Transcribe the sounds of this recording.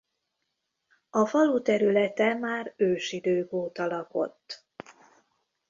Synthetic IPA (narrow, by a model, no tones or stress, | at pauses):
ɒfɒlut̪ɛɾylɛt̪ɛmaːrøːʃid̪øːɡoːt̪ɒlɒko̞̰t̪ː